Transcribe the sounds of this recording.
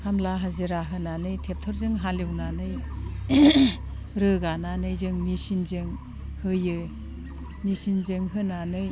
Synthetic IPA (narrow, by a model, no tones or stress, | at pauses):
hʰamlaɦaziɾaɦɯnanɯjtʰep̚tʰɔɾzɯŋɦaliwnanɯj | ɾɯɡananɯjzɯŋmisinzɯŋ | hɯjɯ | misinzɯŋɦɯnanɯj